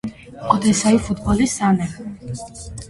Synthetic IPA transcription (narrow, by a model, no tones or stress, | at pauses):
ɔd̪ɛsaifud̪bɔlisanɛ